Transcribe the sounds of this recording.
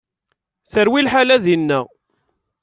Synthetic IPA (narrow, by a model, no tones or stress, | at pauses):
θəɾwilħalæðinːə